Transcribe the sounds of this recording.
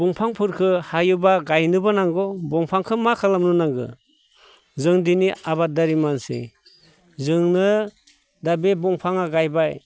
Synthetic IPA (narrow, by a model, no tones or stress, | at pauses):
bɔŋpʰaŋpʰɯɾkʰɯhajubaɡajnɯbɯnaŋɡɔbɔŋpʰaŋkʰɯmakʰalamnunaŋɡɯ̰ | zɯŋdiniabadaɾimansḛ | zɯŋnɯ | dabebɔŋpʰaŋaɡajbaj